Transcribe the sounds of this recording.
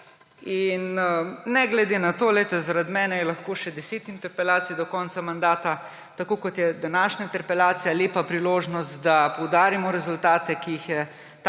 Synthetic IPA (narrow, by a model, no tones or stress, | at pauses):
innɛɡlɛd̪enat̪oːlɛjt̪ɛzaɾad̪mɛːnɛjɛlɐxkoːʃɛd̪ɛseːt̪int̪ɛɾpɛlaːt̪sid̪ɔkɔːnt̪samand̪aːt̪a | t̪akoːkɔt̪jɛd̪anaːʃnaint̪ɛɾpɛlaːt̪sijaleːpapɾiloːʒnɔst̪d̪apɔwd̪aːɾimɔɾɛzult̪aːt̪ɛkiixjɛ | t̪